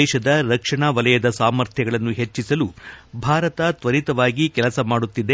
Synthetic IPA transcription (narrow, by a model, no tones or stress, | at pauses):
ɛːʃɐd̪ɐɾɐkʂɐɳaːʋɐlɐjɐd̪ɐsaːmɐɾt̪ʰjɐɡɐɭɐnːuɦe̞t͡ʃːisɐlubʱaːɾɐt̪ɐt̪ʋɐɾit̪ɐʋaːɡikɛlɐsɐmaːɽut̪ːid̪e